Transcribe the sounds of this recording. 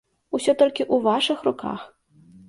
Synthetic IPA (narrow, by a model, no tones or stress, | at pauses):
usʲɔt̪ɔlʲkʲiʔuvaʂɨxruka̰x